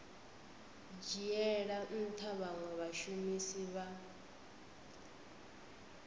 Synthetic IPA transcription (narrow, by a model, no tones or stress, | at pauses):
d͡ʒiɛɺaʔ̩t̪ʰaβaŋwɛβaʃumisiβa